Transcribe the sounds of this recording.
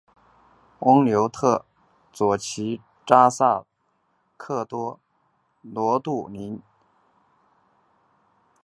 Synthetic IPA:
ʊ˥ŋljo˧˥ʊt̪ʰɤ˥˩ | t͡swɔ˨˩t͡ɕʰi˧˥ | ʈ͡ʂa˥sa˥˩ | kʰɤ˥˩t̪wɔ˥ | lwɔ˧˥t̪u˥˩ni˧˥n

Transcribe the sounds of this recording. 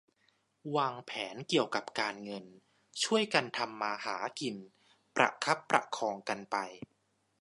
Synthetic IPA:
waː˧ŋpʰɛː˩˦nki˨˩əwka˨˩p̚kaː˧nŋɤ˧n | t͡ɕʰu˥˩əjka˧nt̪ʰa˧mːaː˧haː˩˦ki˧n | pɾʔa̰˨˧˩kʰa˦˥pːɾa̰˨˩kʰɔː˧ŋka˧npa˧j

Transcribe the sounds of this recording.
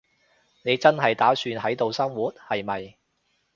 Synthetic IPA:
ne˨˧jt͡sɐ˥nɦɐ˨jt̪aː˨˥syː˧nɦɐ˨˥jt̪o˨wsɐ˥ŋwuː˨˥t̚hɐ˨jmɐ˨j

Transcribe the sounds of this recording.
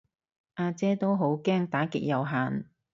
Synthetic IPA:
ʔaː˧t͡sɛː˥t̪o˥wɦo˨˥wkɛː˥ŋt̪aː˨˥kɪ˨k̚jɐ˨˧wɦaː˨n

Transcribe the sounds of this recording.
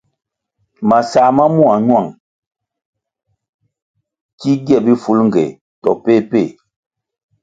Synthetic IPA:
ma˨sa˨ma˦mu˦a˨ɲwa˨ŋ | ki˦ɡjɛ˦˨bi˦fu˦lŋ̩˨ɡɛ̰˨ | tɔ̰˨pe˦˨pe˦˨

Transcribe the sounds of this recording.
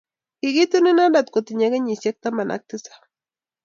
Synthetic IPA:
kiɡi˦t̪u˦nɪ˦na˦nda˨t̪̚ko˨t̪ɪ˨ɲa˦ɡe˦ɲi˨se˦k̚t̪a˦ma˨nʔa̰˨k̚t̪ɪ˦sḁ˨

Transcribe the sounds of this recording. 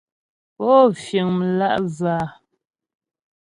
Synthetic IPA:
pɔː˦fje˨ŋmə˨la̰˦ʔzaː˨

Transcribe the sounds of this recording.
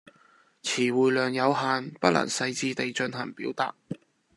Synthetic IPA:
t͡sʰiː˨˩wuː˨jlœː˨ŋjɐ˨˧wɦaː˨npɐ˥lʔɐ̰˨˩ŋsɐ˧jt͡siː˧t̪e˨jt͡ʃɵ˧nɦɐ̰˨˩ŋpiː˨˥wt̪a̰ː˨t̚

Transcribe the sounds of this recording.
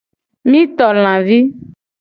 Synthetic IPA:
mĩ˦t̪ɔ˨l̃ã˨vi˦

